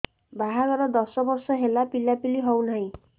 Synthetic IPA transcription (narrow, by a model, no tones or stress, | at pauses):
bʱaɦaɡʌɾɔd̪ɔsɔbɔrsɔɦelapilːapiliɦʌwnʌj̃